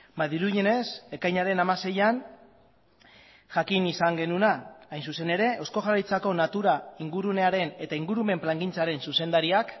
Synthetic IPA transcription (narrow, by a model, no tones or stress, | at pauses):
baðiɾuðine̞se̞kajɲaɾe̞namase̞jan | ʝakinisaŋɡe̞nunaajnsuse̞ne̞ɾe̞ʔosko̞ʝarajt͡sako̞nat̪uɾaiŋɡuɾune̞aɾe̞ne̞t̪aiŋɡuɾume̞mplaŋɡint͡saɾe̞nsuse̞nd̪aɾiak